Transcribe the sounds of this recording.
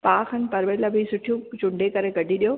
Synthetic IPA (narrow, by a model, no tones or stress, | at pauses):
paːxənɪ̆pɐɾʋeɾlɐbʱisʊʈʰijũt͡ɕʊ̃ɳɖʱekɐɾekɐɖʱiɗijoː